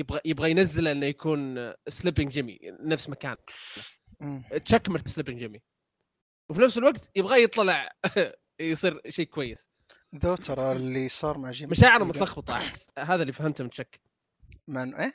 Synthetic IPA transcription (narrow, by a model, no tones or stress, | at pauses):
jɪbɣajɪbɣajnazːɪlʔɪnːajakʰuːnslɪbɪŋɡd͡ʒɪmḭnafsmakaːn | t̪ʃakːmɪɾt̪ɪ̥slɪbɪŋd͡ʒɪmi | wfinafsɪlwaɡt̪jɪbɣajɨt̪ˤːɑlɑʕ | jsˤiːɾʃeːkʊwajːɪs | ðoːt̪ʰɑɾˤɑlːisˤɑːɾˤmaʕd͡ʒɪmaʃaːʕɪɾamʊt̪lɑxbɑt̪ˤɑʔɦaːðalːiːfahɪmt̪mɪnʃakː | manʔeː